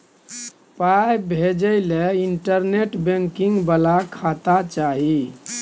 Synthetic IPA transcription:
pajbʱed͡ʒəɪleiɳʈəɾneʈbeŋkiŋɡbəlakʰat̪at͡ʃaɦi

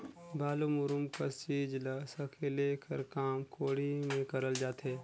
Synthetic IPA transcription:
baːlumʊɾʊmkɐst͡ʃiːd͡ʒləsɐkʰelekʰəɾkaːmkʰoːɽimẽkɐɾəld͡ʒaːt̪ɦɛː

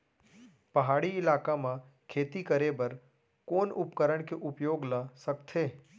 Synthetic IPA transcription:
pɐɦaːɽiɪlaːkamã | kʰeːt̪ikəɾebɐɾ | koːnʊpkəɾəɽ̃keʔʊpjoːɡlasəkt̪ʰeː

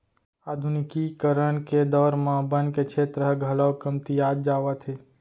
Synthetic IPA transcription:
aːd̪ʱʊnɪkikəɾəɳ̃ked̪ɔːɾmãbənket͡ʃʰeːt̪ɾəɦɡʱələwkəmt̪iaːd͡ʒd͡ʒaːʋət̪ʰeː

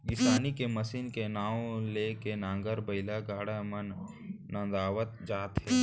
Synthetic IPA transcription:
ɡɪsaːnikeməsinkenaːõlekenãːŋɡəɾbəɪlaɡaːɽamənː | ə̃nd̪aːʋət̪̚d͡ʒaːt̪ɦɛː

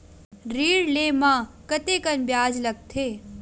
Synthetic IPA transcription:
ɾiːɽleːmãːkɐt̪eːkɐnbjaːd͡ʒlɐɡ̚t̪ʰeː

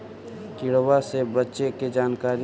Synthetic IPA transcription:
kɪɽwasebətːʃeked͡ʒaːnkaːɾi

